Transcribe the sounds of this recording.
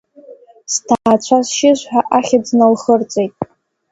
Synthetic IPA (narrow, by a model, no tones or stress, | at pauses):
stʰaːt͡ɕʷʰasʃɪʒʷħaʔaχʲad͡znalχərt͡sʼejtʼ